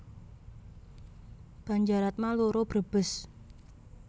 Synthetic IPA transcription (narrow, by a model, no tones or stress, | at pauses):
b̥a̤ɲd͡ʒaɾat̪̚maluɾob̥ɾəb̥ə̤s